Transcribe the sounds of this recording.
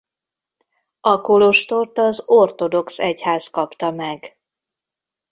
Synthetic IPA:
ʔɒkolo̞ʃt̪o̞rt̪ɒzo̞rt̪o̞d̪o̞ksɛchaːskɒpt̪ɒmɛɡ

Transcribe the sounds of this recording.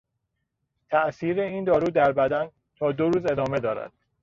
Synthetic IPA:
t̪ʰæʔsiːɾeiːnd̪ɒːɾuːd̪æɾbæd̪æn | t̪ʰɒːd̪oɾuːze̞d̪ɒːme̞d̪ɒːɾæ̰d̪̥

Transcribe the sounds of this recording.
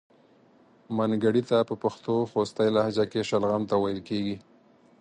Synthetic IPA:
manɡaɽit̪apəpaxt̪oxost̪ajlahd͡ʒakeʃalɣamt̪awajɪlkeɡi

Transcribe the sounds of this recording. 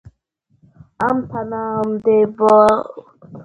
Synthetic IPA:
amtʰanamd̪evɔ

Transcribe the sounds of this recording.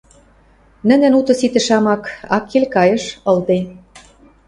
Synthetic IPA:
nɘ̆nɘ̆nut̪ɤ̆sit̪ɘ̆ʃɑmɑkɑkːelʲkɑjɤ̆ʃɤ̆ld̪e

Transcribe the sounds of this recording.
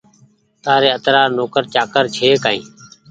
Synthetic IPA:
t̪aːɾeːət̪ɾaːɾnoːkəɾt͡ʃaːkəɾt͡ʃʰeːkaːḭ̃ː

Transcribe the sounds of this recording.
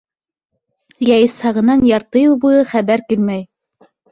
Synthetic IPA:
jæjɤ̆shɑʁɤ̆nɑnjɑɾt̪ɤjubujɤχæβæɾkilmæj

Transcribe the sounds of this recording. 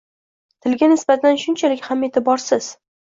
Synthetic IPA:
t̪ʰɪlɡʲanɪsbat̪ʰd̪anʃʊnt͡ʃʰalɪkʲhame̞t̪ʰɪbɒɾsɪz̥

